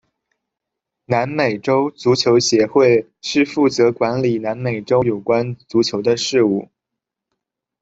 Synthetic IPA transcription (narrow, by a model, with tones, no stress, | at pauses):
na˧˥nme˨˩ɪʈ͡ʂo˥ʊt͡su˧˥t͡ɕʰjo˧˥ʊɕjɛ˧˥xwe˥˧ɪ | ʂɻ̩˥˧fu˥˩t͡sɤ˧˥kwa˧˥nli˨˩na˧˥nme˨˩ɪʈ͡ʂo˥ʊjo˨˩ʊkwa˥nt͡su˧˥t͡ɕʰjo˧˥ʊd̪ə˧ʂɻ̩˥˧u˥˩